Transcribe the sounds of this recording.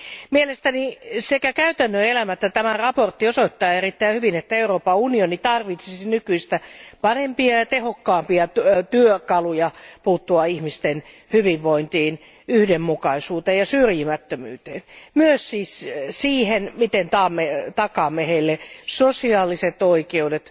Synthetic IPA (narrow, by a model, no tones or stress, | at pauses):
mielest̪ænisekækæyt̪ænːøelæmæet̪ːæt̪æmærɑport̪ːiosoit̪ːɑːerit̪ːæihyʋinet̪ːæeuroːpɑunionit̪ɑrʋit̪sisinykyist̪æpɑrempiɑjɑt̪ehokːɑːmpiɑt̪yøkɑlujɑpuːt̪ːuɑihmist̪en | hyʋiʋʋoint̪iːn | yhdemːukɑisuːt̪eːjjɑsyrjimæt̪ːømy̰ːt̪eːnmyøssiːssiːhenmit̪ent̪ɑːmːet̪ɑkɑmeheilːesosiɑːliset̪oikeudet̪